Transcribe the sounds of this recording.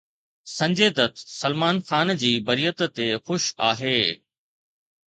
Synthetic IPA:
sɐ̃ɲd͡ʑeːd̪ət̪sɐlmaːnxaːnd͡ʑiːbɐɾijət̪t̪exʊʃa̰ːɦeː

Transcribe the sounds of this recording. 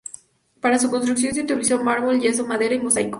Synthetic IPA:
paɾasukonst̪ɾuks̬jo̞ns̬iut̪oβlisomaɾβolʝes̬omaðe̞ɾaimosajko̥

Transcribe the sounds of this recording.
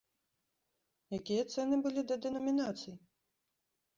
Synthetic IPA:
jakʲijɐt̪sɛnɨbɨlʲid̪ɐd̪ɛnɐmʲinat̪sɨj

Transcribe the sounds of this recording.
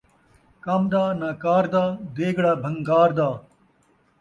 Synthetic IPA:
kaːmd̪aːnaːkaːɾd̪aːd̪eːɡɽaːbʱɐŋɡaːɾd̪aː

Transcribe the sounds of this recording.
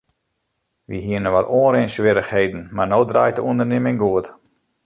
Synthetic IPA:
ʋḭɦiənəʋatoːənɾeːnsʋɪɾəxhejdən̩marnoːdra̰jtəuəndərnɪmɪŋɡuət

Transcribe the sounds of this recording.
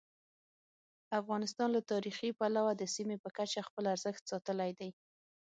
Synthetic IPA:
afɣɑnɪst̪ɑnlat̪ɑɾixipalawad̪əsimepəkat͡ʃaxpəlaɾzəxt̪sɑt̪əlajd̪aj

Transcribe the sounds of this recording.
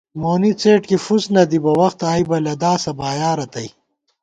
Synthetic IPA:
moːnit͡seːʈkifusnɐd̪ibɐwɐxt̪aːibɐlɐd̪aːsɐbaːjaːɾɐt̪ɐj

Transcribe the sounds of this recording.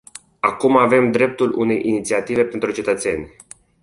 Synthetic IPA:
akumave̞md̪ɾe̞p̚t̪ulṵne̞̰jʔinit̪siat̪ive̞pe̞nt̪ɾut͡ʃe̞t̪ət̪se̞̰nʲ

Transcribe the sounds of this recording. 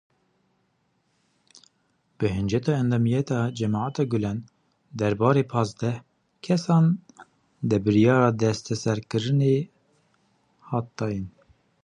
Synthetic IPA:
b̥ɨɦɨnd͡ʒɛt̪ɑːɛnd̪ɑːmijɛt̪ɑːd͡ʒɛmɑːʕat̪ɑːɡulɛn | d̪ɛɾbɑːɾepʰɑːzd̪ɛh | kʰɛsɑːn | d̪ɨbɨɾijɑːɾɑːd̪ɛst̪ɛsɛɾkɨɾɨne | hɑːt̪̚d̪ɑːjin

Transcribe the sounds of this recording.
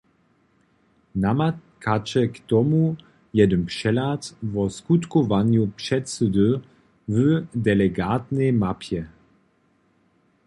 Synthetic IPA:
namakat͡ʃɛkt̪ɔmu | jɛdəmpʂɛlat̪vɔskutkɔvanjupʂɛtsədə | vədɛlɛɡaːt̪nemapʰjɛ

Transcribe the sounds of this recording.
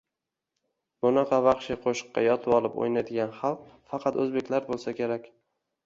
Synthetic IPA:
bʊnɑqʰɑvɑχʃiqʰoʃɨ̥qːɑ̰jɒt̪ʰɪwɒlˠɪpo̰jnad̪ɪɡʲanχɑlˠq̚fɑqʰɑt̪ɵzbekʲlaɾbolˠsakʲʰe̞ɾakʲ

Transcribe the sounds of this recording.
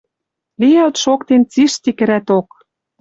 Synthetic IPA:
lijælt̪ʃokt̪ent͡siʃt̪ikɘ̆ɾæt̪ok

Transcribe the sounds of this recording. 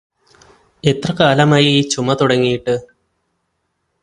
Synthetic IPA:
e̞t̪rɐkaːlɐmaːjiiːt͡ɕumːɐt̪uɽɐŋːijiʈːɨ

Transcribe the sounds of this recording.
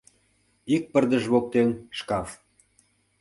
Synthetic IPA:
ik̚pərd̪əʒβok̚t̪enʃkɑf

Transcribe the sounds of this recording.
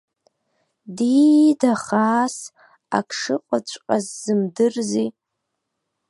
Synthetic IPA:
didaχaːs | a̰kʰʂɨqʷʼat͡ɕʷʼqʼazzɨmdɨrzi

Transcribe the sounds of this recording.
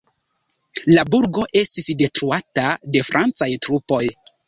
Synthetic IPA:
labuɾɡo̞ʔe̞stisde̞tɾuatade̞fɾʔant͡sajtɾupo̞j

